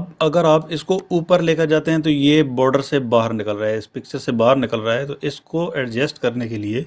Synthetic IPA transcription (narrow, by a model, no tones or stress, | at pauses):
bɐɡəɾaːpɪskouːpəɾleːkəɾd͡ʒaːt̪eɦɛ̃t̪̬ojebɔːɾɖəɾsebaːɦəɾnɪkəlɾɐeɪspɪk̚t͡ʃəɾsebaːɦəɾnɪkəlɾaaɦɛt̪oʔɪskoɛːɖd͡ʒɛːsʈkɐɾnekelieː